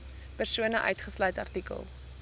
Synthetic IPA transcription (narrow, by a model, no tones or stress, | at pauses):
pərsuənəʔœ̰ɥtχəslœɥtɐ̰rtikə̰lˠ